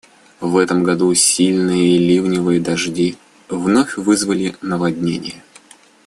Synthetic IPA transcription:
vɛt̪əmɡɐd̪usʲilʲnɨjəilʲivnʲɪvɨjəd̪ɐʐdʲi | vnofʲvɨzvəlʲɪnəvɐdʲnʲenʲɪ̰jə

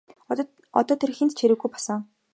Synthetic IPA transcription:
ɔt̪ɔːt̪ʰerxent̪t͡ɕʰeɾɘ̆ɣɡujpɔ̥sə̆ŋ

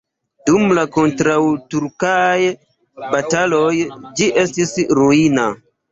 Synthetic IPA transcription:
dumlako̞ntɾawtuɾkaj | batalojd͡ʒiʔe̞stisɾuina

